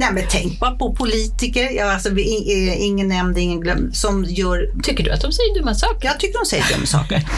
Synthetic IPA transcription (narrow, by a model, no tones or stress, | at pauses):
nɛmɛnt̪ʰɛŋk̚bɑːɾapʰɔpʰʊliːt̪ɪkəɾjɑːalsɔvɪɪɛɪŋːənːɛmd̪ɪŋːənɡlœ̰mːsɔmjœːɾt̪ʰʏkːəɖɵ̰a̰t̪̚d̪ɔmsɛjːəɖ̪ɵmːasɑːkjɑːɡt̪ʰʏkːəɖɔmsɛjːədɵ̰mːəsɑ̰ːkəɾ